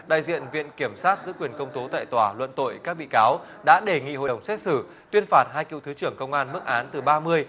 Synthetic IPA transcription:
ɗa̰ː˧˨jzḭ˧˨ənvḭ˧˨ənki˧˩əmsaː˦˥t̚zɨ̰˧˥kwi˨˩ənkə˧wŋ͡mt̪o˨˦t̪a̰ː˧˨jt̪waː˧˩lwə̰˧˨nt̪o̰˧˨jkaː˦˥k̚ɓḭ˧˨kaː˨˦w | ɗa̰ː˧˥ɗe˧˩ŋḭ˧˨ɦo̰˧˨ə˨˩wŋ͡msɛ˦˥t̚sɨ˧˩ | t̪wi˧ənfaː˨˩t̚haː˧jkḭ˧˨wt̪ʰɨ˨˦t͡ɕɨ˧˩əŋkə˧wŋ͡mʔaː˧nmɨ˦˥k̚ʔaː˨˦nt̪ɨ˨˩ɓaː˧mɨ˧əj

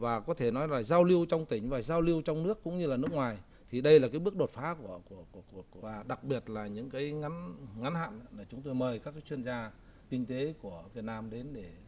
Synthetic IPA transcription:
vaː˨˩kɔ˨˦t̪ʰe˧˩nɔ˨˦jlaː˨˩zaː˧wli˧əwt͡ɕɔ˧wŋ͡mt̪ï˧˩ŋ̟vaː˨˩zaː˧wli˧əwt͡ɕɔ˧wŋ͡mnɨ˦˥əkːʊ̰˧˥ŋ͡mɲɨ˧laː˨˩nɨ˦˥ək̚ŋwaː˨˩j | t̪ʰi˨˩ɗə˧jlaː˨˩kaː˨˦jɓɨ˦˥ək̚ɗo˨˩t̚faː˨˦ku˧˩əku˧˩əku˧˩əku˧˩əku˧˩əvaː˨˩ɗa˨˩k̚ɓi˨˩ət̚laː˨˩ɲɨ̰˧˥ŋkaː˨˦jŋa˨˦nŋa˨˦nha̰ː˧˨n˧la˨˩t͡ɕʊ˨˦ŋ͡mt̪̬o˧jməː˨˩jkaː˦˥kːaː˨˦jt͡ɕwi˧ənzaː˧ | kï˧ŋ̟t̪e˨˦ku˧˩əvi˨˩ət̚naː˧mɗe˨˦nɗe˧˩

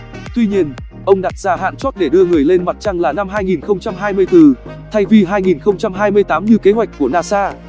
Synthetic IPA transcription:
t̪wi˧ɲi˧ən | ʔə˧wŋ͡mɗa˨˩t̚z̥aː˧ɦa̰ː˧˨nt͡ɕo˦˥t̚ɗe˧˩ɗɨ˧əŋɨ˨˩əjle˧nma˨˩t̚t͡ɕa˧ŋlaː˨˩na˧mɦaː˧jŋi˨˩nxə˧wŋ͡mt͡ɕa˧mɦaː˧jmɨ˧əjt̪ɨ˧˩t̪ʰa˧jvi˧ɦaː˧jŋi˨˩nxə˧wŋ͡mt͡ɕa˧mɦaː˧jmɨ˧əjt̪aː˨˦mɲɨ˧ke˨˦ɦwa˨˩jk̟̚ku˧˩ənaː˧saː˧

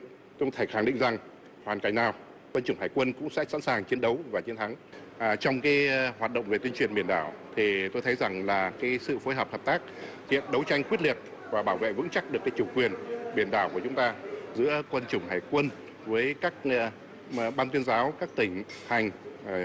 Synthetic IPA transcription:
t̪ʰa˨˩xa˧˩ŋɗḭ˧˨ŋ̟za˨˩ŋ | hwaː˨˩nka˧˩jŋ̟naː˨˩w | kwə˧nt͡ɕʊ˧˩ŋ͡mhaː˨˩jkwə˧nkʊ̰˧˥ŋ͡msɛ̰˧˥sa̰˧˥nsaː˨˩ŋt͡ɕi˨˦ənɗə˨˦wvaː˨˩t͡ɕi˨˦ənt̪ʰa˨˦ŋ˨˩t͡ɕɔ˧wŋ͡mkaː˨˦jhwaː˨˩t̚ɗə̰˧˨wŋ͡mve˨˩i˧ənt͡ɕwi˨˩ənmɓi˧˩ənɗaː˧˩wt̪ʰi˨˩t̪o˧jt̪ʰə˨˦jza˨˩ŋlaː˨˩kaː˨˦jsɨ̰˧˨foː˨˦jɦɔː˨˩p̚hə˨˩p̚t̪aː˦˥k̚ | hḭ˧˨ənɗə˨˦wt͡ɕa˧jŋ̟kwi˦˥t̚li˨˩ət̚ | vaː˨˩ɓaː˧˩wvḛ˧˨vɨ̰˧˥ŋt͡ɕa˦˥k̚ɗɨ˨˩əkːaː˨˦jt͡ɕʊ˧˩kwi˨˩ənɓi˨˩ənɗaː˧˩wku˧˩t͡ɕʊ˨˦ŋ͡mt̪aː˧zɨ̰˧˥əkwə˧nt͡ɕʊ˧˩ŋ͡mɦaː˧˩jkwə˧n | vəː˨˦jkaː˦˥k̚ | ɓaː˧nt̪wi˧ənzaː˨˦wkaː˦˥k̚t̪ï˧˩ŋ̟ha˨˩jŋ̟

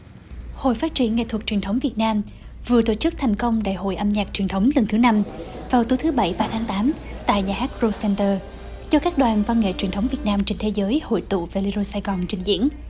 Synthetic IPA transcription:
ho̰˧˨jfaː˦˥t̚t͡ɕḭ˧˩ənŋḛ˧˨t̪ʰə˨˩k̚t͡ɕwi˨˩ənt̪ə˨˦wŋ͡mvi˨˩ət̚naː˧m | vɨ˨˩ət̪o̰˧˨t͡ɕɨ˦˥k̚t̪ʰɛ˨˩jŋ̟kə˧wŋ͡mɗa̰ː˧˨jɦo̰˧˨jʔa˧mɲaː˨˩k̚t͡ɕwi˨˩nt̪ʰə˨˦wŋ͡mlə˨˩ŋt̪ɨ˨˦na˧m | vaː˨˩wt̪u˨˦jt̪ʰɨ˨˦ɓə˧˩jɓaː˧t̪ʰaː˨˦ŋt̪aː˨˦mt̪a̰ː˧˨jɲaː˨˩haː˦˥k̚zo˧sɛ˧nt̪əː˧˩ | zɔ˧kaː˦˥k̚ɗwaː˨˩nva˧nŋḛ˧˨t͡ɕwi˨˩ənt̪ʰə˨˦wŋ͡mvi˨˩ət̚naː˧mt͡ɕe˧ŋ̟t̪ʰe˨˦zəː˨˦jho̰˧˨jt̪ṵ˧˨ve˨˩li˧zo˧saː˧jɣɔ˨˩nt͡ɕï˨˩ŋ̟zḭ˧˥ən

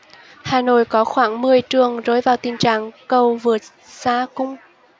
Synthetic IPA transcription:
haː˨˩no̰˧˨jkɔ˨˦xwaː˧˩ŋmɨ˨˩əjt͡ɕɨ˨˩əŋzo˨˦jvaː˨˩wt̪i˨˩nt͡ɕa̰ː˧˨ŋkə˨˩wvɨ˨˩ət̚ | saː˧kʊ˧ŋ͡m

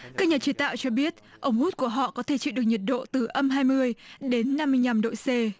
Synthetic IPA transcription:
kaː˦˥k̚ɲa˨˩t͡ɕi˨˦t̪a̰ː˧˨wt͡ɕɔ˧ɓi˦˥ət̚ʔə˧wŋ͡mhu˦˥t̚ku˧˩əɦɔ̰˧˨kɔ˨˦t̪ʰe˧˩t͡ɕḭ˧˨wɗɨ˨˩ək̚ɲə˨˩t̚ɗo̰˧˨t̪ɨ˨˩ʔə˧mɦaː˧jmɨ˧əjɗe˨˦nːa˧mːɨ˧jɲa˨˧˩mɗo̰˧˨jse˧

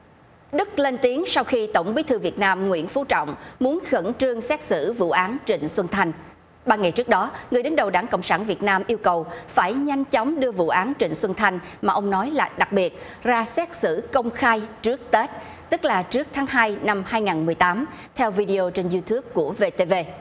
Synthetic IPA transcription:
ɗɨ˦˥k̚le˧nt̪i˨˦əŋsa˧wxi˧t̪ə˧˩wŋ͡mki˨˦t̪ʰɨ˧vi˨˩ət̚naː˧mŋwḭ˧˥ənfu˨˦t͡ɕɔ̰˧˨wŋ͡mmu˨˦ənxə˧˩nt͡ɕɨ˧əŋsɛ˦˥t̚sɨ̰˧˩vṵ˧˨ʔaː˨˦nt͡ɕḭ˧˨ŋ̟swə˧nt̪ʰa˧jŋ̟ | ɓaː˧ŋa˨˩jt͡ɕɨ˦˥ək̚ɗɔ˨˦ŋɨ˨˩əjɗə˨˦ŋɗə˨˩wɗaː˧˩ŋko̰˧˨wŋ͡msaː˧˩nvi˨˩ət̚naː˧mʔi˧əwkə˨˩wfaː˧˩jɲa˧jŋ̟t͡ɕɔ˨˦wŋ͡mɗɨ˧əvṵ˧˨ʔaː˨˦nt͡ɕḭ˧˨ŋ̟swə˧nt̪ʰa˧jŋ̟ | maː˨˩ʔə˧wŋ͡mnɔ˨˦jlaː˨˩ɗa˨˩k̚ɓi˨˩ət̚ | zaː˧sɛ˦˥t̚sɨ̰˧˨kə˧wŋ͡mxaː˧jt͡ɕɨ˦˥ək̚t̪e˦˥t̚ | t̪ɨ˦˥k̚laː˨˩t͡ɕɨ˦˥ək̚t̪ʰaː˨˦ŋɦaː˧jna˧mhaː˧jŋaː˨˩nmɨ˨˩əjt̪aː˨˦mt̪ʰɛ˧wvi˧ɗi˧ʔo˧t͡ɕe˧nzu˧t̪ʰu˦˥əp̚ku˧˩əve˧t̪e˧ve˧

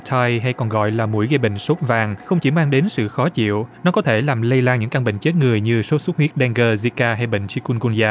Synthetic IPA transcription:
t̪ʰaː˧jɦa˧jkɔ˨˩nɣɔ̰˧˨jlaː˨˩mṵ˧˥əjɣə˧ɓḛ˧˨ŋ̟so˦˥t̚vaː˨˩ŋxə˧wŋ͡mt͡ɕi˧˩maː˧ɗe˨˦nsɨ̰˧˨xɔ˨˦t͡ɕḭ˧˨əwnɔ˨˦kɔ˨˦t̪ʰe˧˩laː˨˩mlə˧jlaː˧ŋɲɨ̰˧˥ŋka˧ŋɓḛ˧˨ŋ̟t͡ɕe˦˥t̚ŋɨ˨˩əjɲɨ˧so˨˦˥t̚su˦˥t̚hwi˦˥t̚ɗɛ˧ŋɣəː˧zi˧kaː˧ɦa˧jɓḛ˧˨ŋ̟t͡ɕi˧ku˧nɣu˧nzaː˧˩

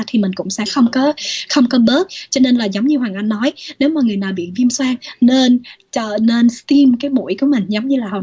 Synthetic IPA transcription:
t̪ʰi˨˩mï̟˨˩kʊ̰˧˥ŋ͡msɛ̰˧˥xə˧wŋ͡mkɔ˨˦xə˧wŋ͡mkɔ˨˦ɓəː˦˥t̚t͡ɕɔ˧ne˧nlaː˨˩zə˨˦ŋ͡mɲɨ˧hwaː˨˩ŋʔa˧jnːɔ˨˦jne˨˦wmaː˨˩ŋɨ˨˩əjnaː˨˩wɓḭ˧˨vi˧əmswaː˧ŋne˧nt͡ɕəː˧˩ne˧nst̪i˧mkaː˨˦jmṵ˧˥jku˧˩əmï˨˩ŋ̟zə˨˦wŋ͡mɲɨ˧laː˨˩hɔ̰˨˩

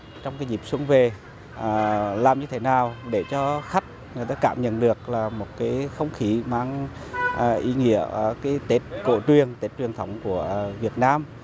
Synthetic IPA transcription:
t͡ɕɔ˧wŋ͡mkaː˨˦jzi˨˩p̚swu˨˧˦ŋve˨˩˨ | laː˨˩mɲɨ˧t̪ʰe˨˦naː˨˩wɗe˧˩t͡ɕɔ˧xa˦˥k̟̚ŋɨ˨˩ət̪ɗaː˧˦kaː˧˩mɲə̰˧˨nɗɨ˨˩ək̚laː˨˩mo˨˩t̚kaː˨˦jxə˧wŋ͡mxi˨˦maː˧ŋː˨˩ | ʔi˨˦ŋḭ˧˥əkaː˨˦jt̪e˦˥t̚ko̰˧˩t͡ɕwi˨˩ənt̪e˦˥t̚t͡ɕwi˨˩ənt̪ʰə˨˦wŋ͡mku˧˩əvi˨˩ət̚naː˧m

